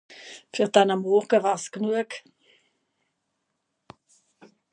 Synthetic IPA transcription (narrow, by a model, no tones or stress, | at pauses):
fyʁd̥anamːɔʁɡəvaːʁsknuək